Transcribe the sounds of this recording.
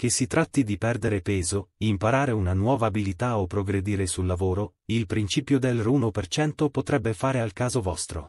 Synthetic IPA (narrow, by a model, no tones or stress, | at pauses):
k̟esit̪ɾʔat̪ːid̪ipɛrd̪eɾepɛːzoimpaɾaːɾeunanwɔːvaːbilit̪aopːɾoɡɾed̪iːɾesulːavoːɾo | ilpɾint͡ʃiːpjod̪elruːnopert͡ʃɛnt̪opot̪ɾɛbːefaːɾealkaːzovɔst̪ɾo̰